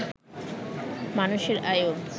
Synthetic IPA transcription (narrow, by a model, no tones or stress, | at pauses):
manuʃeɾajon